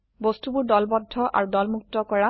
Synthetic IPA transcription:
bostubʊɹdɔlbɔdʱːɔʔa̰ɹudɔlmuk̚tɔkɔɹa

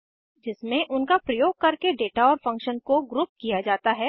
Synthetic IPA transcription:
d͡ʒɪsmẽʔʊnkapɾɐjoːɡ̚kɐɾkeɖeːʈaɔːɾfɐ̃ŋkʃənkoɡɾʊːp̚kijad͡ʒaːt̪aɦɛ

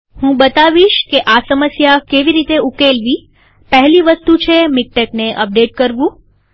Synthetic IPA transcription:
hũbət̪aʋiʃkeʔasəməsjakeʋiɾit̪eukelʋi | pəɦliʋəst̪ut͡ʃʰemik̚ʈekneʔəp̚ɖeʈ̚kəɾʋũ

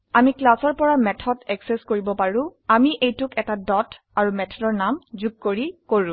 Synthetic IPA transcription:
amiklasɔɹpɔɹamɛtʰɔdɛkseskoɹibɔpaɹʊ̃amiʔejtʊkɛtadɔtʰ | aɹumɛtʰɔdɔɹnamzuɡ̚koɹikoɹʊ̃

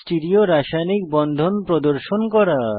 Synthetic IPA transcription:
sʈiɾioɾaʃajnik̚bɔnd̪ʱonpɾɔd̪oɾʃonkɔɾa

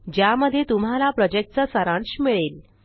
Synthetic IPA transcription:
d͡ʑjaməd̪ʱːjet̪um̤alapɾɔd͡ʑek̚ʈ̚t͡sasəɾãɳɕmiɭel

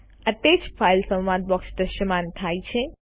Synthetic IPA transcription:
ət̪ed͡ʒpʰajlsə̃wʋad̪̚bɔksd̪əʃəmanʈ̪ʰajt͡ʃʰẽ

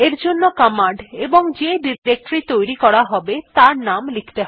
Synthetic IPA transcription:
eɾd͡ʑonːokɔmaɳɖeboŋd͡ʑeɖiɾɾek̚ʈɾit̪ojɾikɔɽaɦɔbet̪aɾnamlikʰi̥t̪eɦɔ

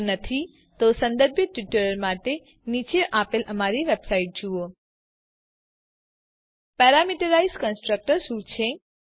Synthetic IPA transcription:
nət̪ʰi | t̪osə̃nd̪əɾbʱjət̪ʋiʈəɾəɾmaʈe | nit͡ʃeʔapeləmaɾiʋebsaiʈ̚d͡ʒuo | pɛɾamiʈəɾaizkənsʈɾək̚ʈəɾʃũt͡ʃʰe

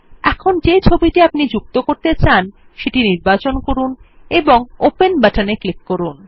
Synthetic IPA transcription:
ɛkʰond͡ʑet͡ɕʰobiʈiapnid͡ʑuk̚t̪okoɾt̪et͡ɕan | ʃeʈiniɾbat͡ɕonkoɾuneboŋopenbaʈaneklikːoɾun

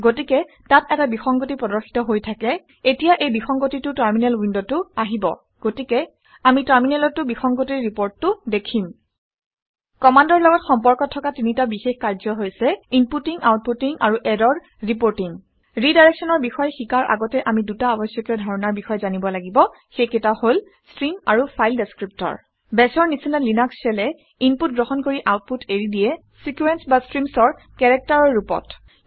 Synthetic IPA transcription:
ɡotikɛ | tatɛtabixɔŋɡotipɹɔdɔɹxi̥tɔɦojtʰakɛ | etijaʔejbixɔŋɡotitʊtaɹminɛlwindotʊaɦibɔ̰ | ɡ̥otikɛ | amitaɹminɛlɔtːʊbixɔŋɡotiɹɹipoɹtːʊdekʰim | kɔmandɔɹlɔɡɔtxɔmpɔɹkɔtʰːɔkatinitabixexkaɹzɔɦojsɛinputiŋawt̚putiŋaɹuʔɛdɔɹ | ɹipoɹtiŋ | ɹidajɹɛksɔnɔɹbixɔjxikaɹʔa̰ɡɔtɛʔamidutaɔbɔsjɔkjɔdʱɔɹɔnaɹbixɔjɛzanibɔlaɡibɔ | xejketahol | stɹimaɹupʰajldeskɹip̚tɔ̰ɹ | bɛsɔɹnisinalinaksɛlɛ | imput̚ɡɹoxɔnkoɹiʔawt̚putʰeɹidijɛ | sikwɛnsbastɹimsɔɹ | kɛɹɛk̚taɹɔɹːupɔ̰t

